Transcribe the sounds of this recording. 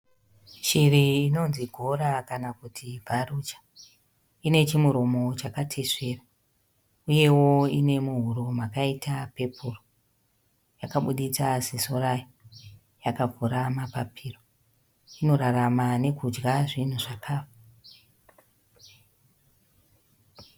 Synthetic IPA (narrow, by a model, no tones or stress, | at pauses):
ʃiriːno̞nziɡʱo̞ɾakanakutʰivʱarut͡ʃḁ | ine̞t͡ʃimuɾo̞mo̞t͡ʃakatʰeʂe̞ːra | uje̞wo̞ine̞muɦuɾomakaitape̞pʰuro | jakaɓuɗit͡sasisoraji | jakavuɾamapapʰiːro | ino̞ɾaramane̞kud͡ʒɡaʐin̤uʐakʰaːfa